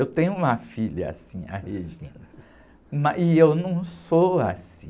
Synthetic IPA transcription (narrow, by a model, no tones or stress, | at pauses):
ewt̪ẽɲʊũmɐfiʎɐa̰sĩa̰heʒĩnɐ | mɐʔɪewnɐ̃w̃soasĩ